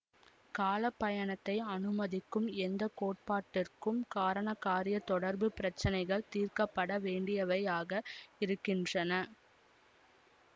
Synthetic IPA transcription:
kaːlɐpːɐjɐnɐt̪ːɐɪɐnɯmɐðɪkːɯmɛnd̪ɐkoːʈ̚paːʈːɪrkɯmkaːɾɐɳɐkːaːɾɪjɐt̪ɔɽɐɾbɯpɪɾɐt͡ʃːɐnɐɪɣɐɭt̪iːrkɐpːɐɽɐʋeːɳɖɪjɐʋɐjaːɣɐɪɾɯkːɪndrɐnɐ

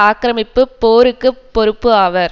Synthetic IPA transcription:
aːkɾɐmɪpːɯpːoːɾɯkːɯpːɔɾɯpːɯaːʋɐɾ

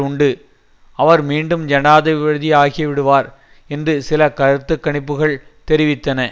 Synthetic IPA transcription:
ʊɳɖɯ | ɐʋɐɾmiːɳɖɯmd͡ʒɐnaːðɐɪʋɪɯðiaːɣiɐʋɪɽɯʋaːɾ | ɛndrɯsɪlɐkɐɾɯt̪ːɯkːɐɳɪpːɯɣɐɭt̪ɛɾɪʋɪt̪ːɐnɐ

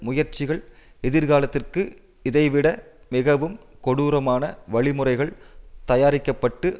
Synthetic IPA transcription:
mʊjɐɾt͡ʃɪɣɐɭ | ɪðɪɾɣaːlɐt̪ːɪrkɯ | ɪðɐɪʋɪɽɐ | mɪɣɐʋɯmkɔɽuːɾɐmaːnɐʋɐɭɪmɯrɐɪɣɐɭt̪ɐjaːɾɪkːɐpːɐʈːɯ

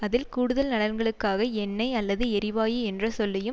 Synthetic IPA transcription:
ɐðɪlkuːɽɯðɐlnɐɽɐɾɡɐɭɯkːaːɣɐɛnːɐɪɐlːɐðɯɛɾɪʋaːjɯɛndrɐsɔlːɐjɯm

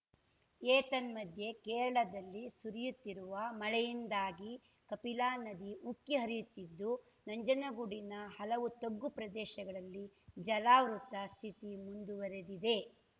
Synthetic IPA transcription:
eːt̪ɐnmɐd̪ʱje̞kɛːɾɐɭɐd̪ɐlːisuɾijut̪ːiɾuʋɐmɐɭɛjind̪aːɡi | kɐpilaːnɐd̪iukːiɦɐɾijut̪ːid̪ːu | nɐɲd͡ʒɐnɐɡuɽinɐhɐlɐʋut̪oɡːupɾɐd̪ɛːʃɐɡɐɭɐlːid͡ʒɐlaːʋɾut̪ːɐst̪ʰit̪imund̪uʋɐɾed̪id̪e̞

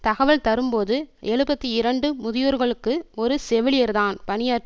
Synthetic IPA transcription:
t̪ɐɣɐʋɐɭt̪ɐɾɯmpoːðɯʔeːɻɯbɐt̪ːiɪɾɐɳɖɯmʊðɪjuːɾɣɐɭɯkːɯɔɾɯsɛʋɪlɪjɐɾðaːnpɐnɪjaː

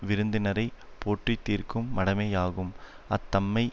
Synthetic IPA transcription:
ʋɪɾɯnd̪ɪnɐɾɐɪpoːʈrit̪ːiːrkɯmːɐɽɐmeːjaːɣɯm | ɐt̪ːɐmːɐɪ

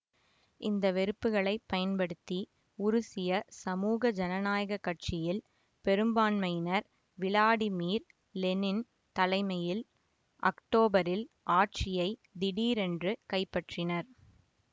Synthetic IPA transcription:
ʔɪnd̪ɐʋɛɾɯpːɯɣɐɭɐɪpːɐjɐnpɐɽɯt̪ːi | ʊɾʊsɪjɐsɐmuːɣɐd͡ʒɐnɐnaːjɐɣɐkːɐʈ̚t͡ʃɪjɪl | pɛɾɯmbaːnmɐɪjnɐɾ | ʋɪlaːɽimiːɾ | lɛnɪn | t̪ɐlɐɪmɐjɪl | ʔɐ̰kʈoːbɐɾɪl | ʔaːʈ̚t͡ʃɪjɐɪd̪ɪɽiːɾɛndrɯkɐɪpːɐʈrɪnɐɾ

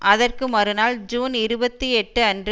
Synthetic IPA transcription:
ʔɐðɐrkɯmɐɾɯnaːld͡ʒuːnɪɾɯbɐt̪ːiɛʈːɯɐndrɯ

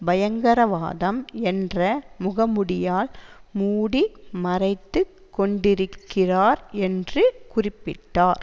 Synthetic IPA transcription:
bɐjɐŋɡɐɾɐʋa̰ːðɐmɛndrɐmʊɣɐmɯɽɪjaːlmuːɽimɐrɐɪt̪ːɯkːɔɳɖɪɾɯkːɪraːɾɛndrɯkʊrɪpːɪʈːaːɾ

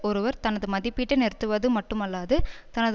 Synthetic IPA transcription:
ɔɾɯʋɐɾt̪ɐnɐðɯmɐðɪpːiʈːɯnɛɾɯt̪ːɯʋɐðɯmɐʈːɯmɐlːaːðɯt̪ɐnɐð

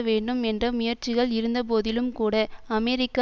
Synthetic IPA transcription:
ʋeːɳɖɯmɛndrɐmʊjɐɾt͡ʃɪɣɐɭɪɾɯnd̪ɐp̬oːðɪlɯmkuːɽɐɐmɛɾɪkːa

